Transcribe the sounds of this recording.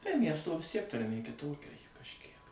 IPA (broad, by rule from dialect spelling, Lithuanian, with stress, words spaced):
tɐɪ ˈmʲiɛstoː ʋʲɪs tʲiɛk tɐrʲˈmʲeː kʲɪˈtoːkʲɛ ˈjɪ kɐʃʲˈkʲiɛk